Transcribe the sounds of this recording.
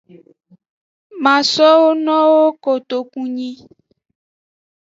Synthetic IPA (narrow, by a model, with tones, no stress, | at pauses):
mã˨sɔ˦wo˦nɔ̃˦wo˦ko˨t̪o˨kũ˦ɲĩ˦